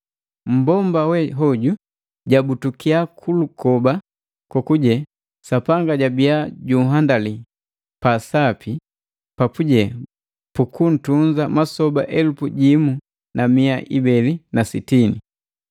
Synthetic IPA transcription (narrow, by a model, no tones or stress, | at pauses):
m̩bɔmbawɛɦɔɟu | ɟabutukiakʰulukɔba | kɔkuɟɛ | sapaŋɡaɟabiaɟuɦandali | pasapʰi | papuɟɛ | pukun̩tund͡ʒamasɔba̰ʔɛlupuɟimu | namiaʔibɛlinasitini